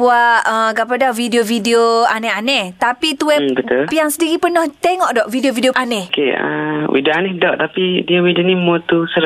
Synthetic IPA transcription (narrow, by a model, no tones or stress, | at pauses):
buaʔəɡapadavidiovidioanɛanɛht̪apit̪uɛbət̪ulpijaŋsədiɣipənɔht̪eŋɔʔdɔʔvidiovidioʔanɛkeə̰wḭdoanɛhdɔʔt̪apidiəwidonĩmot̪usəɾ